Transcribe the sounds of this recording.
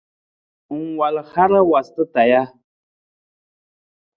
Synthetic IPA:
ŋwa˨lha˦ɾa˦wa˨st̪ə˦t̪a˨ja˦

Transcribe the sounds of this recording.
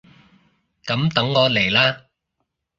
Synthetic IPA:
kɐ˨˥mt̪ɐ˨˧˥ŋːɔː˨˧le˨˩jlaː˥

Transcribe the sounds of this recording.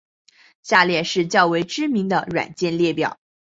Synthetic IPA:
ɕja˥˧ljɛ˥˧ʂɻ̩˥˧t͡ɕjɑ˥˩ʊwe˧˥ɪʈ͡ʂɻ̩˥mi˧˥ŋd̪ə˧ɻwa̰˨˩nt͡ɕjɛ˥˧nljɛ˥˩pjɑ̰˨˩˦

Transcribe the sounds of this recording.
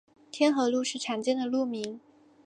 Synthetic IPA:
t̪ʰjɛ˥nxɤ˧˥lu˥˧ʂɻ̩˥˩ʈ͡ʂʰa˧˥ŋt͡ɕjɛ˥nd̪ə˨˩lu˥˩mi˧˥ŋ

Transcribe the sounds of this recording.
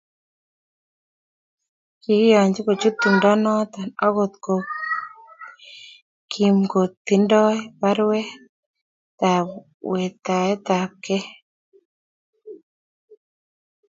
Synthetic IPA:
ki˨˦jɔ˨ɲd͡ʒɪ˦ko˨t͡ʃu˦t̪ːu˨ndɔ˦nɔ˦t̪a˨nɔ˦ɡo˦t̪ko˨ | kʰi˨mko˨t̪ːi˨ndɔ˦pa˦ɾwɛ˦ | t̪a˨ | wɛ˨t̪a˨ɛ˦t̪a˨p̚kɛ˦

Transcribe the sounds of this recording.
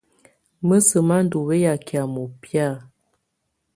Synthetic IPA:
mə˦sə˨ma˦n˦du˨be˦ja˨kja˨mo˨pja˦˨

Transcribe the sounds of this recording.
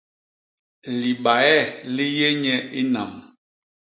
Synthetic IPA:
li˨ɓa˨ɛ˦˨li˦je˦ɲɛ˦ʔi˦na˨m

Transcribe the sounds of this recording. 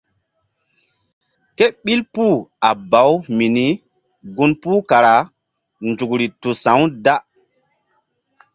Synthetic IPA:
ke˦ɓi˦lpuː˦˨a˨ba˨˦wmi˨ni˦ | ɡu˦npuː˦ka˨ɾa˨ | nd͡ʒu˨kɾi˨tu˨sã˨˦wda˦

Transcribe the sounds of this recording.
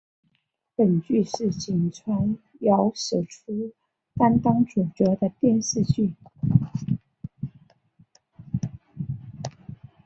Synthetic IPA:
pə˨˩nt͡ɕy˥˧ʂɻ̩˥˩t͡ɕi˨˩ŋt͡sʰwa˧˥n | jɑ˧˥ʊʂ̩˨˩ʈ͡ʂʰu˥ | t̪a˥nt̪ɑ˥ŋʈ͡ʂu˨˩ʈ͡ʂɤ˧˥d̪ə˧t̪jɛ˥˧nʂɻ̩˥˧t͡ɕy˥˩

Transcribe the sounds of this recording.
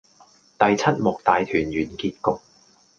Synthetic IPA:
t̪ɐ˨jt͡sʰɐ˥t̚mʊ˨k̚t̪aː˨jt̪ʰyː˨˩njyː˨˩nkiː˧t̚kʊ˨˧k̚

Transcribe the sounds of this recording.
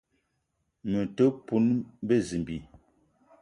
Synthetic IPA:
mə˨tə˦pu˦nbe˦zi˨mbi˨

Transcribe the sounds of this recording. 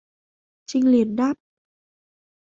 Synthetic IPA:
t͡ɕi˧ŋli˨˩ət̚ɗa˦˥p̚

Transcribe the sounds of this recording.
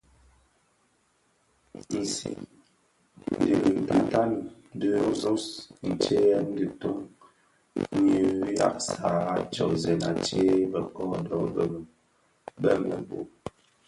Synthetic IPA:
n̩˨sḭ˨ | n˨di˨lti˨ta˦n˦ | də˦zo˦sn̩˨t͡ʃe˦n̩˦di˨to˦ŋ˦ | ɲə˨˦ja̰˦k̚sa˨˦t͡ʃɔ˨zɛ˨na˨t͡ʃe˦bə˨kɔ˦dɔ˦˨bɛ˨m˨ | bɛ̰˦mə̰˨bo˨

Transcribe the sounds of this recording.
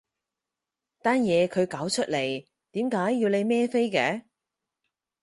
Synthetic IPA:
t̪aː˥njɛː˨˧kʰɵ˨˧ɥkaː˨˥wt͡ʃʰɵ˥t̚le˨˩j | t̪iː˨˥mkaː˨˥jːiː˧wle˨˧jmɛː˥fe˥jkɛː˨˧˥

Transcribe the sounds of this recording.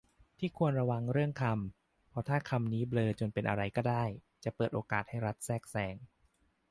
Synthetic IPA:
t̪ʰiː˥˩kʰu˧ənɾa˧wa˧ŋɾɯ˥˩əŋkʰa˧m | pʰɾɔ˦˥t̪ʰaː˥˩kʰa˧mniː˦˥blɤː˧t͡ɕo˧npe˧nʔa̰˧ɾa˧jkɔː˥˩daː˥˩jt͡ɕa˨˩pɤː˨˩t̪̚ʔoː˧kaː˨˩t̪̚ha˥˩jɾa˦˥t̪̚sɛː˥˩k̚sɛː˧ŋ

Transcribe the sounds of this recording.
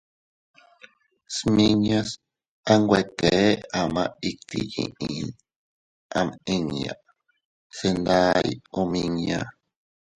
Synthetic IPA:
smi˦ɲa˦s | a˦ŋɡwe˧k̪e˨˦a˨mã˦˧i˦k̚t̪ḭ˦jḭ̃˨ʔĩ˨n | a˧me˧ŋ˨a̰˨ | se˧nd̪a˦jo˧mĩ˧ɲja˧

